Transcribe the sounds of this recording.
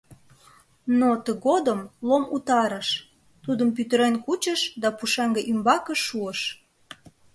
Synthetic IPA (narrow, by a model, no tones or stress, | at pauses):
not̪əɣod̪əmlomut̪ɑɾəʃ | t̪ud̪əmpyt̪əɾenkut͡ɕəʃd̪ɑpuʃɑŋɡəʔymbɑkəʃːuəʃ